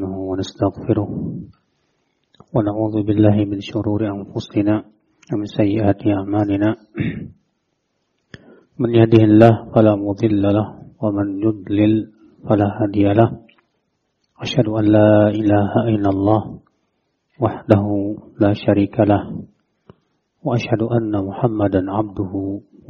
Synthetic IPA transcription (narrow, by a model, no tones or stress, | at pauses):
nʊhʊwanast̪aɣfɪɾʊh | wanaʕuːðʊbɪlːaːhɪmɪnʃʊɾuːɾɪʔanfʊsɪnaː | wamɪnsajːɪʔaːt̪ɪʔaʕmaːlɪnaː | mɪnjahd̪ɪhɪlːaːhfalaːmʊd̪ˤɨlːalahwamanjʊd̪ˤlɪl | falaːhaːd̪ɪjalah | ʔaʃhad̪ʊʔanːaːʔɪlaːhaʔɪlːalˤːɑːh | waħd̪aɦʊlaːʃaɾiːkʰalah | waʔaʃhad̪ʊʔanːamʊħamːad̪anʕab̚d̪ʊhʊ